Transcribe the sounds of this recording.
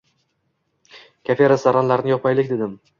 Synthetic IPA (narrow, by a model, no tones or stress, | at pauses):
kʲʰafeɾasaɾanlaɾɪnɪjɒpʰajlɪk̚ʲd̪e̞d̪ɪm